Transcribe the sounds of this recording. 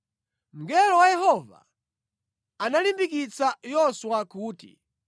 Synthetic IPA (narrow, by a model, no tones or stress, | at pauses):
m̩ɡɛlɔwajɛɦɔva̰ | analimbikit͡sajɔswakuːtḭ